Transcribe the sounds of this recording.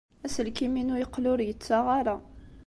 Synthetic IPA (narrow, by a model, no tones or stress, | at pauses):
æsəlkiminujəqlʊɾjət͡sːaʁaɾa